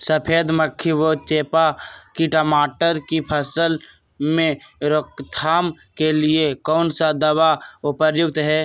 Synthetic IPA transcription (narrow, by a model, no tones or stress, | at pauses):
səpʰeːd̪məkʰːiʋoːt͡ʃeːpakiʈəmaːʈəɾkipʰəsəl | mẽɾokt̪ʰaːm | keliekɔːnsad̪əwaʊpəɾjʊɡ̚t̪ɦɛː